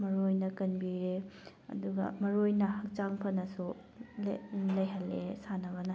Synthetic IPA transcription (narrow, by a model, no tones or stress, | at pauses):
mɐɾojnɐkɐnbiɾe | ɐ̰duɡɐ̰mɐɾojnɐhɐk̚t͡ʃaŋpʰɐnɐsu | llɐjɦɐlːḛsanɐbɐnɐ